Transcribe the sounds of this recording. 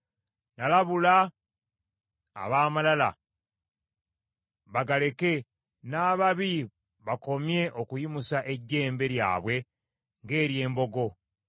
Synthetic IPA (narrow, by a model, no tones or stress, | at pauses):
nalaβula | βaːmalala̰ | βaɡale̞ke̞ | naːβaβi | βako̞mje̞ʔo̞kujimusaʔe̞ɟːe̞ːmbe̞ɾja̰ːβwe̞ | ŋɡe̞ːɾje̞ːmbo̞ɡo̞